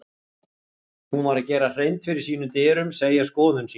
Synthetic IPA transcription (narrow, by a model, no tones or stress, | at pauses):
hunvaɾacɛːɾar̥ejnt̪fɪɾɪɾ̥siːnʏmt̪ɪːɾʏmseːjaskɔːðʏns